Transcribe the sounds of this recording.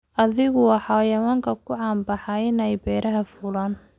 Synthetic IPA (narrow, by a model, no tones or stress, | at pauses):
ʔɐðɪɣʊwɑħɑːjɐwaːŋkʰɐkʰʊʕɑːmbɑħɑɪnɛjbɛːɾɐɦɐfʊlaːn